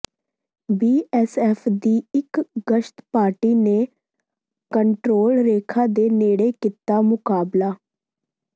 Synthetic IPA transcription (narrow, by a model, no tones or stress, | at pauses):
biːʔɛːsɛːpʰd̪iːɪkɡəʃt̪paːɾʈiːneː | kəɳʈɾoːlɾeːkʰaːd̪eːneːɽeːkiːt̪aːmʊkaːblaː